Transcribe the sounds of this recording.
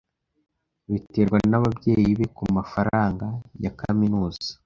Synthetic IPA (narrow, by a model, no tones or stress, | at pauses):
βiteɾɡwanaβabje̞ːjiβe̞kumafaɾaːŋɡajakaminuːzḁ